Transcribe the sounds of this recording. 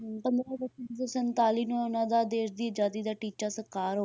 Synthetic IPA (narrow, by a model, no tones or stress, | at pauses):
pənd̪ɾãːbəənsəsənt̪aːliːnũːonãːd̪aːd̪eːʃd̪iːəd͡ʒaːd̪iːd̪aːʈiːt͡ʃaːsəɾkaːɾɦoː